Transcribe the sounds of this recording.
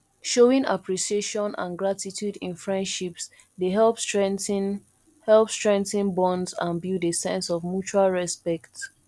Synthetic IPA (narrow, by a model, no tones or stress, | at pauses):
ʃoĩŋa̰pʰɹiʃieʃɔ̃nã̰nɡɹatitʰjudĩnfɹɛ̃ndʃips | deɦɛlpstɹɛ̃ntn | hɛlˠpstɹɛ̃ntĩnbɔ̃ndzãnbjudesɛ̰̃nsɔvmjut͡ʃualɹɛspɛkt